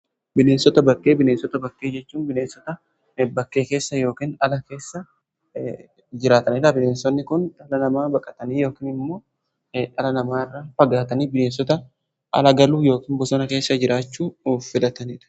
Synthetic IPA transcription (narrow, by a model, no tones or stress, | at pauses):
bɪleːnsɔt̪ɐbɐkʼːe̞ːbɪneːnsɔt̪ɐbɐkːe̞ːd͡ʒɛt͡ʃːuːnbɪne̞ːnsɔt̪ɐ | bɐkːe̞ːke̞ːsːɐjo̞ːkiːnɐlɐke̞ːsːɐ | d͡ʒɪɾaːt̪ɐniːd̪ᶑ̪ɐbɪneːnsɔnːɪkʊnᶑɐlɐnɐmaːbɐkʼɐ̥t̪ɐniːjo̞ːkiːnɪmːo̞ː | ᶑɐlɐnɐmaːrːaːfɐɡaːt̪ɐniːbɪleːnsɔt̪ɐ | ɐ̰lɐɡɐluːjo̞ːkiːnbɔsɔnɐke̞ːsːɐd͡ʒɪɾaːt͡ʃːuːfːɪlɐt̪ɐniːᶑ̪ɐ̥